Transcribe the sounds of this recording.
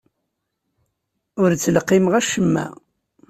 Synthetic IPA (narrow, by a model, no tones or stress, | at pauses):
ʊɾt͡sːəlqːɪmʁæʃəmːæ̰